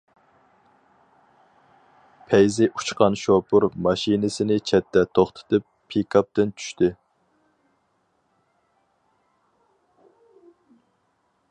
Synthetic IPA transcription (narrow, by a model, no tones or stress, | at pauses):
pʰɛjzɪʔu̥t͡ʃqɑnʃopʰʊɾmɑʃinɪsɪnɪt͡ʃʰɛt̪ʰːɛt̪ʰoχt̪ʰɨ̥t̪ʰɨpʰːikʰɑp̚t̪ɪnt͡ʃʰy̥ʃt̪ʰɪ